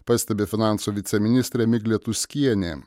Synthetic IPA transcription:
pɑsʲt̪ʲɛbʲeːfʲɪnɑˑnsuːʋʲɪt̪sʲɛmʲɪnʲɪst̪ʲɾʲeːmʲɪɡʲlʲeːt̪ʊsʲkʲiɛnʲeː

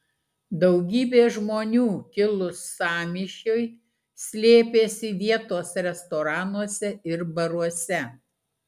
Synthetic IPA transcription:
d̪ɐʊɡʲiːbʲeːʒmoːnʲuːkʲɪlˠʊsɑːmʲiʃʲoj | sʲlʲeːpʲeːsʲɪʋʲiɛt̪oːsɾʲɛst̪ɔːɾɑːnuɔsʲɛɪɾbɐɾuɔsʲɛ

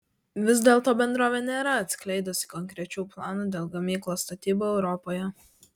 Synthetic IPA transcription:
ʋʲɪz̬d̪ʲeːlˠt̪oːbʲɛnd̪ɾoːʋʲeːnʲeːɾɐɐt̪ʲsʲkʲlʲɛɪd̪osʲi̥kɔŋʲkɾʲɛt͡ʃʲuːplˠɑːnuːd̪ʲeːlˠɡɐmʲiːklˠoːst̪ɐt̪ʲiːboːɛʊɾɔpoːjɛ

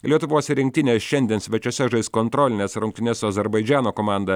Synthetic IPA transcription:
lʲiɛt̪ʊʋoːsʲɪɾʲɪŋʲk̚ʲt̪ʲɪnʲeːsʃʲɛnʲd̪ʲiɛnsʲʋʲɛt͡ʃʲoːsʲɛʒɐɪst̪kont̪ɾoːlʲɪnʲeːsɾʊŋʲk̚t̪ʲɪnʲɛːsʲuɐzʲɛɾbɐɪd͡ʒʲæːnoːkoːmɑˑnd̪ɐ

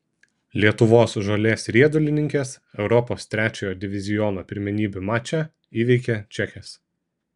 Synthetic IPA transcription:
lʲiɛt̪ʊʋoːsʒoːlʲeːsɾʲiɛd̪ʊlʲɪnʲɪŋʲkʲeːs | ɛʊɾɔpoːst̪ʲɾʲæːt͡ʃʲoːjoːd̪ʲɪʋʲɪzʲɪjɔnoːpʲɪɾʲmʲɛnʲiːbʲʊmɑːt͡ʃʲæ | iːʋʲɛɪkʲɛt͡ʃʲɛxʲes

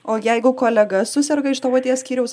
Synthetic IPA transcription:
oːjɛɪɡʊkoːlʲɛɡɐsʊsʲɛɾɡɐɪʃt̪oːʋoːt̪ʲiːɛsʲkʲiːɾʲɛʊs

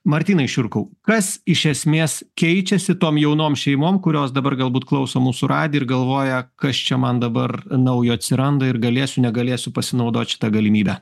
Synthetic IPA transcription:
mɐɾʲt̪ʲiːnɐɪʃʲʊɾkɐʊkɐsɪʃʲɛsʲmʲeːskʲɛɪt͡ʃʲɛsʲɪt̪oːmjɛʊnoːmʃʲɛɪmoːmkʊɾʲoːsd̪ɐbɐrɡɐlˠbuːt̪klˠɐʊsoːmuːsʊɾɑːd̪ʲɪɪɾɡɐlˠʋoːjɛkɐst͡ʃʲɛmɐnd̪ɐbɐrnɐʊjoːɐt̪ʲsʲɪɾɐnd̪ɐɪɾɡɐlʲeːsʲʊnʲɛɡɐlʲeːsʲʊpɐsʲɪnɐʊd̪oːt̪ʲʃʲɪ̥t̪ɐɡɐlʲɪmʲiːbʲæ

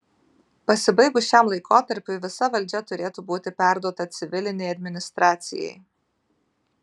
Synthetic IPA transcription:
pɐsʲɪbɐɪɡʊʃʲɛmlˠɐɪkoːt̪ɐɾʲpʲʊɪʋʲɪsɐʋɐlʲd͡ʒʲɛt̪ʊɾʲeːt̪ubuːt̪ʲɪpʲæˑɾd̪uɔt̪ɐt̪sʲɪʋʲɪlʲɪnʲɛjɐd̪ʲmʲɪnʲɪst̪ɾɑːt̪sʲɪ̰jɛ̰ɪ

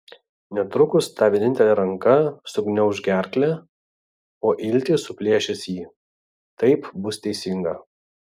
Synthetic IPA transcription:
nʲɛt̪ɾʊkʊst̪ɑːʋʲenʲɪnʲt̪ʲɛlʲɛːɾɐŋkɐsʊɡnʲɛʊʒʲɡʲæˑɾʲklʲæ | oːʔɪlʲˑt̪ʲiːsʊpʲlʲiɛʃʲɛsjiː | t̪ɐɪpbʊst̪ʲɛɪsʲɪŋɡɐ

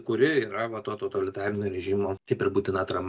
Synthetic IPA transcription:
kʊɾʲɪiːɾɐʋɐt̪oːt̪ot̪ɐlʲɪt̪ɑːɾʲɪnʲoːɾʲɛʒʲimoːkɐɪpɪɾbuːt̪ʲɪnɐt̪ɾɐm

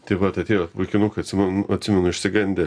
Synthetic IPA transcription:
t̪ʲɪʋɐt̪ɐt̪ʲeːjoʋɐɪkʲɪnuːkɐɐt̪ʲsʲɪmnʊɐt̪ʲsʲɪmʲɛnʊɪʃʲsʲɪɡɐnʲd̪ʲɛ

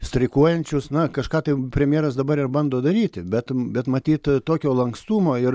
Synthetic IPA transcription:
sʲt̪ʲɾʲɪkuɔjɛnʲt͡ʃʲʊsnɐkɐʃkɑːt̪ɐɪpʲɾʲɛmʲjeɛɾɐsd̪ɐbɐɾɪrbɐnd̪oːd̪ɐɾʲiːt̪ʲɪbʲɛt̪bʲɛt̪mɐt̪ʲiːt̪t̪oːkʲoːlˠɐŋkst̪uːmoːɪ

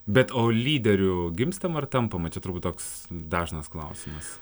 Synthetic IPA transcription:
bʲɛt̪oːlʲiːd̪ʲɛɾʲʊɡʲɪmst̪ɐmɐrt̪ɐmpɐmɐt͡ʃʲɛt̪ʊɾrbut̪ʲoːks | d̪ɑːʒnɐsklˠɐʊsʲɪmɐs

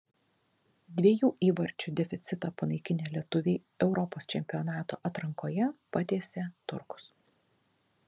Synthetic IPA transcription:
d̪ʲʋʲiɛjuːʔiːʋɐɾʲt͡ʃʲʊd̪ʲɛfʲɪt̪sʲɪt̪ɑːpɐnɐɪkʲɪnʲeːlʲiɛt̪ʊʋʲeːɪ | ɛʊɾɔpoːst͡ʃʲɛmʲpʲiɔnɑːt̪o̰ːʔɐt̪ɾɐŋkoːjɛpɐt̪ʲeːsʲet̪ʊ̰ɾkʊ̥s

